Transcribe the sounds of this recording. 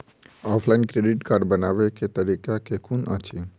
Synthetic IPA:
ɔːpʰlaɪnkɾeɖiʈkaːɾɖbənaʋeket̪əɾikakekʰunʔə̰t͡ʃʰi

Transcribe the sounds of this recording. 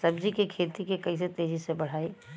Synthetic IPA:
sɐbd͡ʒikekʰeːt̪ikekɐiset̪eːd͡ʒisebɐɽ̤aːiː

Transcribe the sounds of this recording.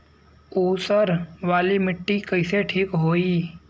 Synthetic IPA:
oːsəɾʋaːlimɪʈːikəɪseʈʰiːkɦoːiː

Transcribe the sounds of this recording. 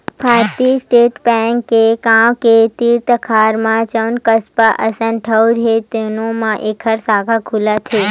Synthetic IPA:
pʰaːɾt̪isʈeːʈbɛ̃ŋkːekãːwket̪iːɾt̪əkʰaːɾmãt͡ʃənkəspaʔəsə̃nʈʰəwɾɦet̪enõmãʔekʰəɾsaːkʰakʰulat̪ʰeː

